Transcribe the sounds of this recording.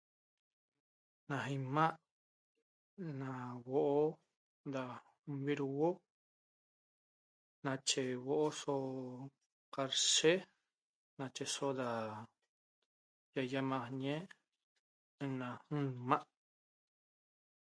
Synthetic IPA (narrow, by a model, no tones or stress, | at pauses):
nãɦimãʔ | nãwoʔo | d̪a | βiɾuwo | nãt͡ʃewoʔoso | kaɾse | nãt͡ʃesod̪a | jajamãhɲẽ | nãhɨ̃mãʔ